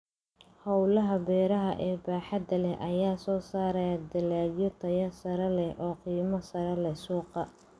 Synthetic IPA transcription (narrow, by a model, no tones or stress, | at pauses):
hɑwlɐɦɐbɛːɾɐɦɐʔɛːbaːħɐd̪ɐlɛhʔɐjaːsɔːsaːɾɐjad̪ɐlaːɡjɔt̪ʰɐjɐsɐɾɐlɛhʔɔːqiːmɐsɐɾɐlɛsuːqɑ